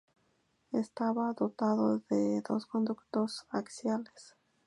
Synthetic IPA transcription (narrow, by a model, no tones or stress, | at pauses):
est̪aβaðo̞t̪aðoðeðo̞̰sko̞nd̪ukt̪o̞saksjales